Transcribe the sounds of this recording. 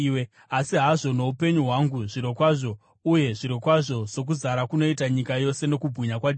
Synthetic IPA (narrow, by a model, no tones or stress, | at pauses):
we | asiɦaʐo̞no̞upe̞ɲuɦwaŋɡuʐiɾo̞kwaʐo̞ | uje̞ʐiɾokwaʐo̞z̥o̞k̬uzaɾakuno̞itaɲikajo̞se̞no̞kubʱwiɲakwad